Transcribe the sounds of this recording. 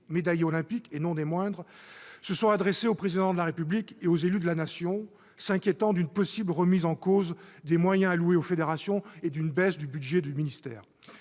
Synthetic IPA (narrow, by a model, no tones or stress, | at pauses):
med̪ajɔlɛ̃pikenɔ̃d̪emwɛ̃d̪ʁsəsɔ̃ad̪ʁeseopχezid̪ɑ̃d̪əlaʁepyblikeozelyd̪əlanasjɔ̃ | sɛ̃kʲjet̪ɑ̃d̪ynpɔsibləʁəmizɑ̃kozd̪emwajɛ̃alueofed̪eʁasjɔ̃ed̪ynbɛsd̪ybyd̪ʒɛd̪yminist̪ɛːʁ